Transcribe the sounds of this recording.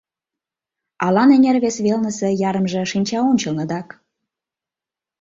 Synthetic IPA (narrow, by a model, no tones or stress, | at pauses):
ɑlɑnenʲerβesβelnəsĕjɑɾəmʒĕʃinʲt͡ɕɑonʲt͡ɕə̆lnəd̪ɑk